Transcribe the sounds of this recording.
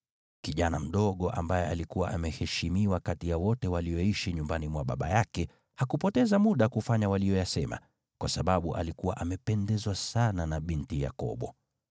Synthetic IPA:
kiʄanam̩ɗɔɠɔʔa̰mbajɛalikuwaʔamɛhɛʃimiwakatijawɔtɛwalijɔiʃiɲumbanimwaɓa̰ɓa̰jakɛ | hakupɔtɛzamuɗakufaɲawalijɔjasɛma̰ | kwasaɓaɓuʔa̰likuwa̰ʔamɛpɛndɛzwasananaɓintija̰kɔ̰ɓɔ

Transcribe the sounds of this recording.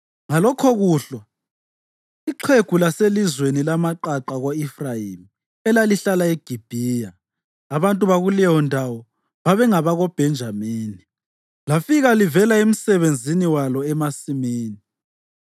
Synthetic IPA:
ŋalɔkʰɔɣuɬwa | iǃʰeɡ̥ʱulaselizwenilamaǃaǃaɣoifrajimi | ɛlaliɬalaeɡ̥ʱib̥ʱiːjaː | βantʼuβaɣulɛjɔndʱawɔ | βaβɛŋaβaɣɔb̥ʱɛnd͡ʒʱamiːni | lafiɣalivɛlaem̩sɛβend͡zʱiniwalɔɛmasimiːni

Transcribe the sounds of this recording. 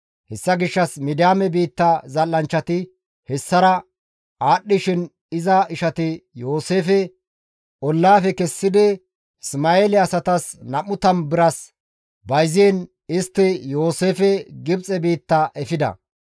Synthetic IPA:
hɛsːɐɡɪʃːɐsmɪd̪ɪjaːmɛbiːt̪ːazɐlːɐnt͡ʃːɐt̪ɪ | hɛsːɐɾɐ | aːɗːɪʃɪn | ɪzɐɪʃɐt̪ɪjo̞ːseːfɛ | ʔɔlːaːfɛkɛsːɪd̪ɪ | smaeːlɪɐsɐt̪ɐsnɐmːʊt̪ɐnbɪɾɐs | bɐjzeːn | ɪst̪ːɪjo̞ːse̞ːfɛɡɪbt͡sʼɛbiːt̪ːaʔɛfɪd̪ɐ̰

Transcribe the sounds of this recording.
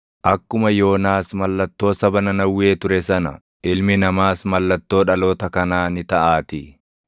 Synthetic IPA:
ʔɐkːʊmɐjo̞ːnaːsmɐlːɐt̪ːo̞ːsɐbɐnɐnɐwːeːt̪ʊɾɛsɐnɐ̰ | ʔɪlmɪnɐmaːsmɐlːɐt̪ːo̞ːᶑɐlo̞ːt̪ɐkɐnaːnɪt̪ɐʔaːt̪ɪ

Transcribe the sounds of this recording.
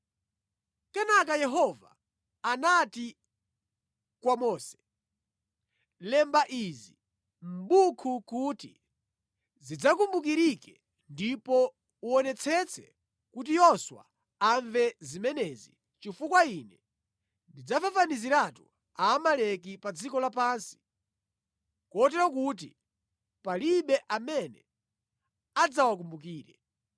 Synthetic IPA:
kɛnak̬ajɛɦɔva̰ | anati | kwamɔːsɛ̥ | lɛmbaʔizi | m̩bukʰukuti | zid͡zakumbuk̬iɾikɛ | ndipɔ | uɔnɛt͡sʰɛt͡sʰɛ̰ | kut̬ijɔswa̰ | aɱvɛzimɛnɛzi | t͡ʃifukwainɛ | ndid͡zafafaniziɾatu | aːmalɛk̬ipad͡zikɔlapaːnsi̥ | kɔtɛɾɔkut̬ḭ | paliɓɛʔamɛnɛ̰ | ad͡zawak̬umbuk̬iːɾɛ

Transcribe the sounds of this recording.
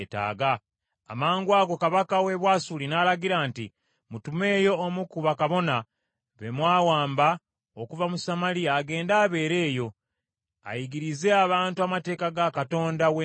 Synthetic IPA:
ta̰ːɡaː | maːŋɡwaːɡo̞kaβakawe̞βwaːsulinalaɡiɾaːntḭ | mutume̞ːjo̞ːmukuβakaβo̞na | βemwaːwaːmba | okuvamusamaliaːɡe̞ːndaːβe̞ːɾe̞ːjo̞ | a̰jiɡiɾize̞aβaːntuamate̞ːkaɡakato̞ːndawe

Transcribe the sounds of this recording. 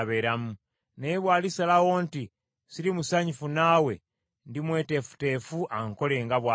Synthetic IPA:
βeɾamu | nejeβwaːlisalawo̞nti | siɾimusaɲifunaːwe̞ | ndimwe̞ːte̞fu̥te̞ːfuʔaŋko̞le̞ːŋɡaβwa

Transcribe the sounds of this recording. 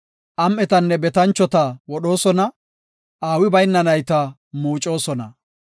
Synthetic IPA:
ʔɐmʔɛt̪ɐnːɛbɛt̪ɐnt͡ʃːɔt̪ɐwɔɗo̞ːsɔnɐ | ʔaːwɪbɐjnːɐnɐjt̪ɐ | muːt͡ʃʼo̞ːsɔnɐ̰

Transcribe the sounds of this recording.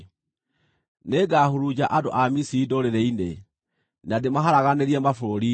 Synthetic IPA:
neɡahoɾud͡ʑaʔadoʔamisiidoɾeɾɛine | nademaɦaɾaɣaneɾiɛmafoɾoɾi

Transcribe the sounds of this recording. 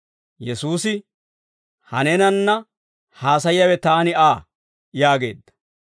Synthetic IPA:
jɛsuːsɪ | hɐnɛnɐnːɐ | haːs̬ɐjɐwɛt̪aːnɪaː | jaːɡe̞̰ːd̪ːɐ̥

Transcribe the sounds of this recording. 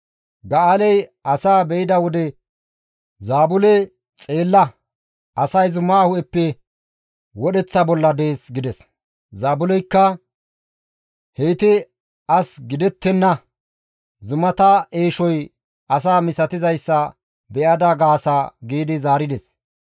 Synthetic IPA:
ɡɐalɛjʔɐsaːbɛjɪd̪ɐwɔd̪ɛ | zaːbʊlɛ | t͡sʼe̞ːlːɐ | ɐsɐjzʊmaːhʊʔɛpːɛ | wɔɗɛt͡sːɐbɔlːɐd̪e̞ːsɡɪd̪ɛs | zaːbʊlɛjkːɐ | hejt̪ɪ | ɐsɡɪd̪ɛt̪ːɛnːɐ | zʊmɐt̪aʔeːʃɔj | ɐsaːmɪsɐt̪ɪzɐjsːɐ | bɛʔɐd̪ɐɡaːsaːɡiːd̪ɪzaːɾɪd̪ɛs

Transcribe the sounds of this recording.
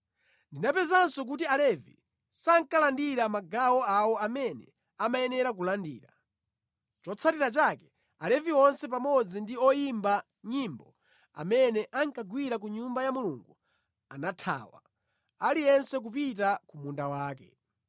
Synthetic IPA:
ndinapɛzansɔk̬utialɛvḭ | saŋ̩kalandiɾamaɡawɔawɔamɛnɛ̰ | amajɛnɛɾak̬ulandḭːɾa | t͡ʃɔt͡sʰatiɾat͡ʃakɛ̥ | alɛviɔnsɛp̬amɔd͡zindiɔjimba | ɲimbɔ̰ | a̰mɛnɛʔaŋ̩kaɡwiɾak̬uɲumbajamuluŋɡu | a̰natʰa̰ːwa̰ | alijɛnsɛk̬up̬itakumundawaːkɛ̰

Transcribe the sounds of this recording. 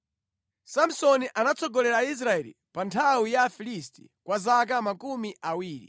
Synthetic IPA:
sam̩sɔniʔanat͡sɔɡɔlɛɾais̬ɾaɛlḭ | pantʰawijafilisti̥̰ | kwazak̬amakumiʔawiːɾḭ

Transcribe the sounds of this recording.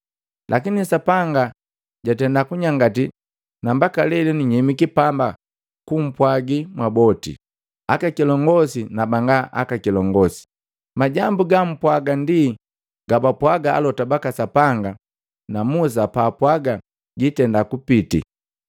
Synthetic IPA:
lʔakinisapaŋɡa | ɟatɛndakuɲaŋɡati | nambakalɛlɛniɲɛmikipamba | kum̩pwaɡimwabɔtḭ | akakilɔŋɡɔsinabaŋɡaʔa̰kakilɔŋɡɔsi̥ | maɟambuɡam̩pwaɡandi | ɡabapwaɡaa̰lɔtabakasapaŋɡa | namus̬apaːpwaɡa | ɡitɛndakupitḭ

